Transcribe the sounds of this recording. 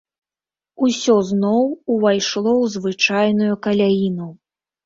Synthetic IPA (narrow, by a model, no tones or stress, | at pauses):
usʲɔznɔwuvajʂlˠɔwzvɨt͡ʂajnujukɐlʲajinu